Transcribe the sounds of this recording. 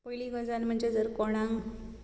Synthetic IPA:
kojliɡɔd͡zanm̤əɳd͡ʑed͡zəɾkɔɽ̃ãŋɡ

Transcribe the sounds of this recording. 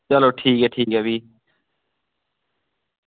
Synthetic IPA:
ɐloːʈʰiːkeʈʰiːkɐwiː

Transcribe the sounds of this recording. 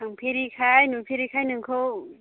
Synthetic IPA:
naŋpʰeɾikʰajnupʰeɾikʰajnɯŋkʰɯw

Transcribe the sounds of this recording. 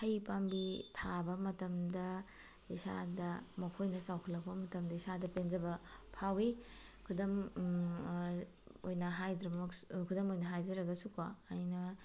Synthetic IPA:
hɐjpambitʰabɐmɐtɐmdɐ | isa̰dɐmɐkʰojnɐsawkʰɐlɐk̚pɐmɐtɐmdɐisadɐpend͡ʒɐbɐpʰawi | kʰudɐm | ojnɐɦajdɾɐmɐkkʰudɐmojnɐɦajzɐɾɐɡɐsukaːjnɐ

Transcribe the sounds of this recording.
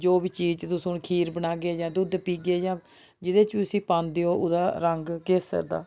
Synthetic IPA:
d͡ʒoːbiːt͡ʃiːt͡ʃt̪ʊsʊ̃ːnkʰiːɾbəɽaːɡeːjãːd̪ʊd̪piːɡeːjãː | d͡ʒɪd̪eːt͡ʃbiːʊsĩːpãːnd̪eːoːʔʊd̪aːɾəŋɡkeːsə̰ɾd̪a̰ː

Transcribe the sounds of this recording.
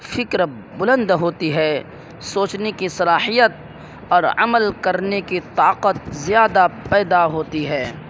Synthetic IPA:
fɪkɾ | bʊlə̃nd̪ɦoːt̪iɦɛː | soːt͡ʃnekisɐlaːhijət̪̚ | ɔːɾɐ̰məlkɐɾnekit̪aːqət̪̚zɪjaːd̪apɛːd̪aɦoːt̪iɦɛː

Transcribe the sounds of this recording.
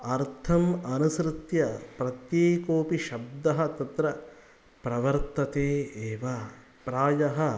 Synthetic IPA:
ɐɾt̪ʰɐmɐnusɾɨt̪jɐpɾɐt̪jeːkoːpiʃɐb̚d̪ɐɦɐ̆t̪ɐt̪ɾɐ | pɾɐʋɐɾt̪ɐt̪eːeːʋɐ | pɾaːjɐɦɐ

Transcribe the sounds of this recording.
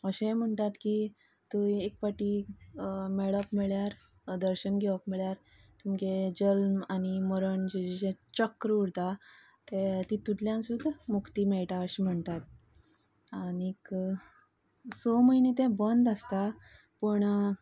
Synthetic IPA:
əɕem̤əɳʈ̪at̪ki | t̪ujek̚paʈi | mɛɭəpmɛɭjaɾ | d̪əɾɕənɡʱɛʋəpmɛɭjaɾ | t̪umked͡ʑəlmaniməɾəɳd͡ʑed͡ʑid͡ʑẽt͡ɕəkːɾəuɽt̪a | t̪et̪it̪ːuʈljãnsud̪ʱːamukt̪iːmɛɭʈaəɕim̤əɳt̪at̪̚ | anik | soməɦinet̪ẽbənd̪əst̪a | pəɳ

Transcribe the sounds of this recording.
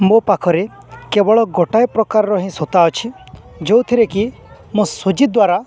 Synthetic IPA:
mopakʰɔɾe | kebɔɭɔɡɔʈajpɾɔkaɾɾɔɦĩsot̪aɔt͡ʃʰi | d͡ʒowt̪ʰiɾeki | mõsod͡ʒid̪waɾa

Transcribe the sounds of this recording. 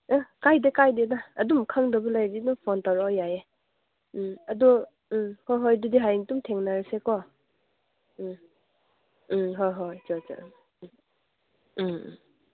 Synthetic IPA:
akajdekajdedaːdumkʰaŋdɐbɐlajdidumpʰɔntawɾɔjae | ɐdu | hojɦojdudiɦajŋtumtʰeŋnaɾisekɔ | ɦojɦojt͡ʃɔt͡ʃɔ̰

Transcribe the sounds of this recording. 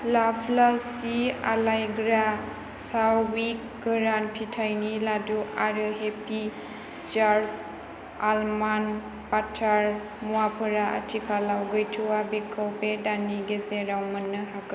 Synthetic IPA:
lapʰlasia̰lajɡɾa | sawwik | ɡɯɾanpʰitʰajniladuaɾɯɦepi | d͡ʒaɾs | alman | patʰaɾ | muwapʰɯɾaʔa̰tʰikʰalawɡɯjtʰuwabekʰəwpedaniɡezeɾawmənːɯɦakɯ

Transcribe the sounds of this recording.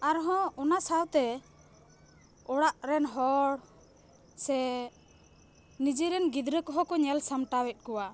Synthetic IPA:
aɾɦɔ̃ɔnasawt̪ɛ | ɔɽaʔɾɛnɦɔɽ | sɛ | nid͡ʒiɾɛnɡid̪ɾəkɔɦɔkɔɲɛlsamʈawɛt̪̚ˀkɔwa

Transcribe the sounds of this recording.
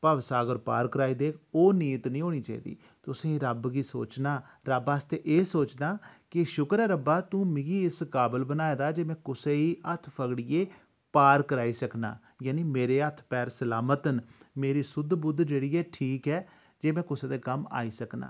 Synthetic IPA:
paːʋsaːɡəɾpa̰ːɾkəɾaːiːd̪eːkʰoːniːət̪nĩːɦoːɽ̃iːt͡ʃaːḭːd̪ḭː | t̪ʊsẽːɾəbɡiːso̰ːt͡ʃnaː | ɾəbaːst̪eːʔeːsoːt͡ʃd̪aːkɪʃʊkəɾɛːɾəbaːt̪ũːmɪɡiːɪskaːbəlbənaːeːd̪aːd͡ʒeːmɛ̃ːkʊseːiːət̪ʰpʰəɡɽieː | paːɾkəɾaːiːsəkna̰ː | jaːniːmeːɾeːət̪ʰpɛːɾsəlaːmət̪ənmeːɾiːsʊd̪bʊd̪d͡ʒeːɽiːɛːʈʰiːkɛː | d͡ʒeːmɛ̃ːkʊseːd̪eːkəma̰ːiːsəkna̰ː

